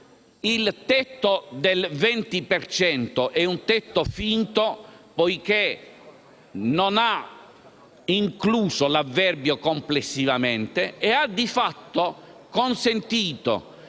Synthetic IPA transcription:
ilt̪ɛt̪ːod̪elvɛnt̪ipert͡ʃɛnt̪oʔɛunt̪ɛt̪ːofint̪opojk̟e | nona | iŋkluːsolavːɛrbjokomplesːivament̪eead̪ifat̪ːokonsent̪iːt̪o̰

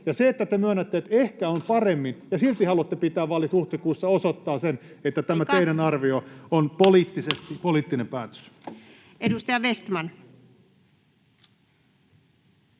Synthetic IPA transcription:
jɑseet̪ːæt̪emyønːæt̪ːeet̪ehkæompɑremːinjɑsilt̪ihɑluɑt̪ːepit̪æːʋʋɑlːit̪uht̪ikuːsːɑosot̪ːɑːsenet̪ːæt̪æmæteinenɑrʋioonpoliːt̪ːisest̪ipoliːt̪ːinempæːt̪ø̥s | edust̪ɑjɑʋest̪mɑn

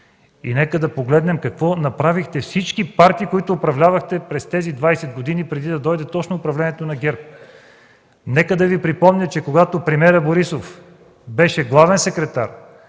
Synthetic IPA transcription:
ḭnɛkəd̪ɐpoɡlɛd̪nɛmkɐkvɔnɐpɾavixt̪ɛfsit͡ʃkipaɾt̪iːkoit̪ʊːpɾɐvlʲavɐxt̪ɛpɾɛst̪ɛzid̪vajsɛd̪̚ɡod̪inipɾɛd̪id̪ɐd̪ɔjd̪ɛt̪ɔt͡ʃnoːpɾɐvlɛniɛt̪onɐɡʲɛɾp̚ | nɛkəd̪ɐvipɾipɔmnʲɐt͡ʃɛkoɡat̪opɾɛmiɛɾəboɾisof | bɛʃɛɡlˠavɛnsɛkɾɛt̪aɾ

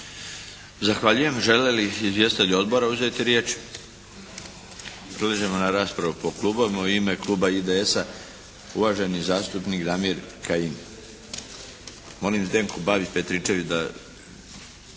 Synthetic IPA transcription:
zaxʋaʎuje̞mʒe̞leliizʋje̞st̪eʎʲuo̞d̪bo̞ɾauze̞t̪iɾjeːt͡ʃ | pɾeleʒemonaɾaːspɾaʋupo̞klˠuːboʋimauime̞klˠuːbaid̪eesa | uʋaːʒe̞nizaːst̪upnikd̪amiɾkain | mo̞limzd̪e̞ːŋkubaːʋit͡ɕpe̞t̪ɾit͡ʃe̞ʋid̪a

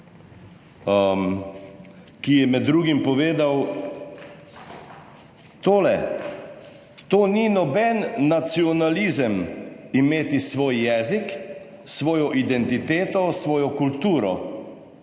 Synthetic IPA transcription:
m | kijɛmɛd̪ːɾuːɡimpɔʋeːd̪aw | t̪oːlɛ | t̪oːninɔbɛnːat̪siɔnalizəmimeːt̪isʋoːjjɛːzik | sʋoːjɔʔid̪ɛnt̪it̪eːt̪ɔsʋɔːjɔkult̪uːɾɔ̰

